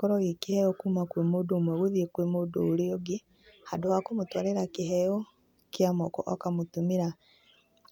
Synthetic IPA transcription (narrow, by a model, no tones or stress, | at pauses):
kɔɾɔɣekihɛjɔkuːmakwemodomwɛɣeðiekwemodoːɾeoɡe | hadohakomotwaɾeɾakeɦɛjɔ | keamɔkɔ̰ʔɔkamotumeɾa